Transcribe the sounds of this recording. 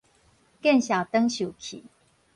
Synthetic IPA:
kɛ˥˨nɕja˨˩t̪ə˦ŋɕju˨˩kʰḭ˨˦

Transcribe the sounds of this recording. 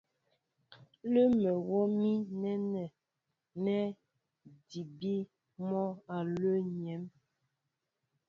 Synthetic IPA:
lə˦mɛ˨wɔ˦mi˦nɛ˦nɛ˨ | nɛ˦ | di˨bi˦ | mɔ˦a˨lə˦ɲɛ˨˦m

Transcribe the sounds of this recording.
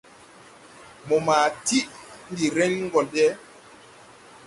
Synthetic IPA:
mɔ˨ma˨ti˦ʔndi˨ɾɛ˦nŋɡɔ˨lɗɛ˦

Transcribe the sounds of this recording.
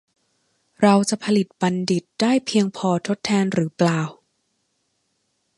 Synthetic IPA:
ɾa˧wt͡ɕa˨˩pʰa˧li˨˩t̪̚ba˧ndi˨˩t̪̚daː˥˩jpʰi˧əŋpʰɔː˧t̪ʰo˦˥t̪ʰːɛː˧nɾɯː˩˦plaː˨˩w

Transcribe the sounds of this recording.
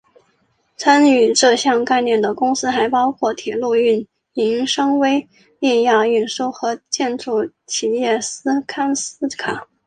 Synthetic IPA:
t͡sʰa˥ny˨˩ʈ͡ʂɤ˥˧ɕjɑ˥˧ŋka˥˧ɪnjɛ˥˩nd̪ə˩kʊ˥ŋsɹ̩˥xa˧˥ɪpɑ˥ʊkʰwɔ˥˩t̪ʰjɛ˨˩lu˥˧y˥˩n | i˧˥ŋʂɤ˥ŋwe˥ɪ | nɛ˥˧nja˥˧y˥˩nʂu˥˩ʊxɤ˧˥t͡ɕjɛ˥˧nʈ͡ʂu˥˩ | t͡ɕʰi˨˩jɛ˥˩sɹ̩˥kʰa˥ns̩˥kʰa˨˩˦

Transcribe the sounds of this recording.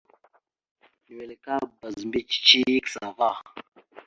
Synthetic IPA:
ni˨wɛ˨le˨ka˦ba˨zmbi˦t͡ʃi̥˨t͡ʃi˦i˦ksa˨va˦˨

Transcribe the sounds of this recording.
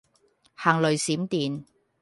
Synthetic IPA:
haː˨˩ŋlɵ˨˩ɥsiː˨˥mt̪iː˨n

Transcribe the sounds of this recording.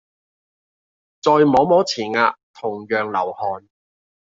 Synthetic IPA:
t͡sɔː˧jmɔː˨˧˥mɔː˨˥t͡sʰiː˨˩nŋaː˧t̪ʰʊ˨˩ŋjœː˨ŋlɐ˨˩whɔː˨n

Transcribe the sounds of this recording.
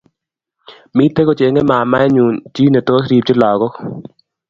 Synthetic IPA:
mi˦t̪e˦ko˨t͡ʃe˨˦ŋe˦ma˨ma˦ɛ˦ɲu˨nt͡ʃi˦ne˨t̪o˦s̬ɾi˨p̚t͡ʃɪ˦lɔː˨ɣɔ˦k

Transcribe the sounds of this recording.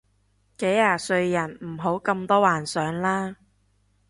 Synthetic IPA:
ke˨˥jaː˧sɵ˧ɥjɐ˨˩nm̩˨˩ɦo˨˥wkɐ˧mt̪ɔː˥waː˨˩nsœː˨˧˥ŋlaː˥

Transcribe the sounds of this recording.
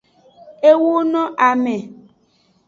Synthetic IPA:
e˦wo˦nɔ̃˦ʔa˨mɛ˨

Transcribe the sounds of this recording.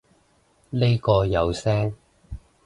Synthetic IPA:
le˥jkɔː˧jɐ˨˧wsɛː˥ŋ

